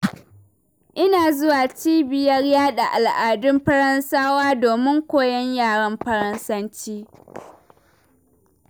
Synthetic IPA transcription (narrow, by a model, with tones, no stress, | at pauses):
ʔɪ˦naː˨zʊ˦waː˨t͡ʃiː˦bɪ˨jɐ˦rjaː˦ɗa˨ʔa˨lʔaː˨dʊ˦mɸɐ˦ɽɐ˦nsaː˦waː˦doː˨mɪ˦ŋkʷoː˦jɐ˦ɲjaː˦˨ɽɐ˦mɸɐ˦ɾɐ˦nsɐ˦nt͡ʃiː˦